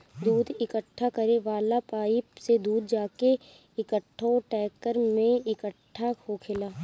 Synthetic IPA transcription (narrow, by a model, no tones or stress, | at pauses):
d̪uːd̪ʱɪkəʈʰːakɐɾeʋaːlapaːised̪uːd̪ʱd͡ʒaːke | ɪkəʈʰːoʈɛːkəɾmẽɪkəʈʰːaokʰɪlaː